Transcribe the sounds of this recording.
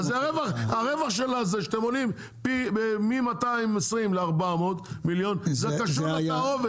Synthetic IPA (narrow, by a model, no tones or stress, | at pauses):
zeaʁevaχaʁevaχʃelazeʃeatemolim | pibemimataimesʁimleaʁbamo̞ːd̪miljo̞nzeakaʃuaaove